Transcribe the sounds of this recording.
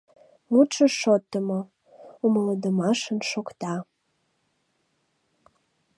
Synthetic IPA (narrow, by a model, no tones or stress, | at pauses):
mut͡ʃəʃot̪ːəmo | umləd̪əmɑʃənʃokt̪ɑ